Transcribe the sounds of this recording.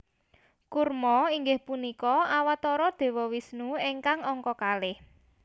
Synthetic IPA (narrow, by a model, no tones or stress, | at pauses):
kurmɔiŋɡɪhpunikɔawat̪ɔɾɔd̪̥e̤wɔwisnueŋkaŋɔŋkɔkalɪh